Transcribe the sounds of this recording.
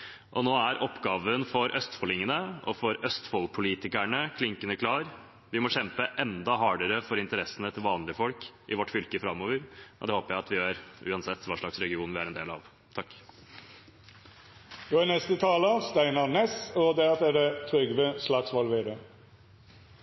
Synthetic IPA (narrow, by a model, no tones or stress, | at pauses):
ʔɔnoːæɾʔɔpːɡɑːʋənfɔɾʔœst̪fɔlɪŋənəɔ̰fɔɾœst̪fɔlpʰʊliːt̪ɪkæɳəkʰlɪŋkənəkʰlɑːɾ | ʋɪmɔɕɛmpəʔɛnd̪ɑɦɑːɖəɾəfɔɾɪnt̪əɾɛsːənət̪ʰɪlʋɑːnlɪəfɔlkʔɪʋɔʈːfʏlkəfɾɑmːoːʋəɾʔɔ̰d̪ɛhoːpəjæɪɑt̪ʋɪøøːɾʔʉːɑnsɛt̪ːʋɑːʂɭɑksɾɛɡɪuːnʋɪæɾɛnd̪eːlɑ̰ʋ | t̪ʰɑkː | d̪oɑnɛst̪ət̪ʰɑːləɑst̪æɪnɑnɛsɔd̪ɛɑt̪ɛɖɛt̪ʰɾʏɡʋəslɑksʋɑlʋeɖə